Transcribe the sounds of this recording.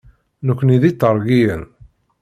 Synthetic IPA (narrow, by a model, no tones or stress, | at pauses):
nəkʷːniðit̪ːəɾˤɡijən